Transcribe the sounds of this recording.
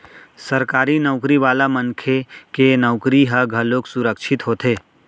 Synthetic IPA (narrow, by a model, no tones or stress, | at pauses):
səɾkaːɾinɔʊkɾiʋaːlaməŋkʰekenɔʊkɾiɦəɡʱəloːksʊɾəkʃʰɪt̪ɦoːt̪eː